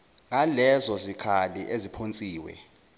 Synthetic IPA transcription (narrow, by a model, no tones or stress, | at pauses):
ŋalɛzɔzikʰalḭʔezipʰont͡sʼiːwɛ̰